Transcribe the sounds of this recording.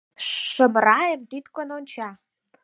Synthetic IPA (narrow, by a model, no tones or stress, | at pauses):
ʂə̆mrɑjəmt̪yt̪kononʲt͡ɕɑ